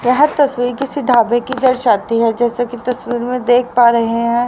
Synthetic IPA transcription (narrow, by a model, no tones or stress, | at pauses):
jɛɦət̪ːɐsʋiːɾkɪsiɖʱaːbẽkid̪ɐɾʃaːt̪iɦɛd͡ʒɛːsakit̪ɐsʋiːɾmẽd̪eːk̚ʰpaːɾɐɦeɦɦɛ̃ː